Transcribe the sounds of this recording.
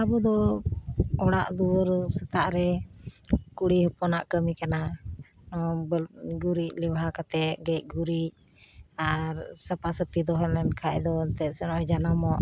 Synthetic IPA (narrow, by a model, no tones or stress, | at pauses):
abud̪ɔ | ɔɽaʔd̪uɔɾsɛt̪aʔɾɛ | kuɽihɔpɔnaʔkəmikana | nɔbɡuɾic̚lɛbɦakat̪ɛʔɡɛc̚ˀɡuɾic̚ | aɾsəpasəpid̪ɔɦɛlmɛnkʰaʔd̪ɔt̪ɛsɛnɔʔɔd͡ʒanamɔʔ